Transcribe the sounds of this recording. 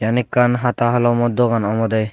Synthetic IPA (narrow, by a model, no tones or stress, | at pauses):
janikːanɦat̪aɦalɔmɔd̪ɔɡanɔmɔd̪aj